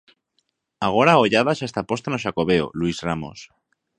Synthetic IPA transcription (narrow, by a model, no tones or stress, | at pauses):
aɣ̞o̞ɾaoʝaðasest̪apo̞st̪anoʃ̬ako̞βe̞o̰lwizramo̞̰s